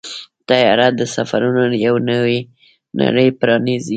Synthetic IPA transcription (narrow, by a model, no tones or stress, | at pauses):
t̪ajɑɾat̪̚d̪əsafaɾunojawnəwi | na̰ɽəjpɾɑnizi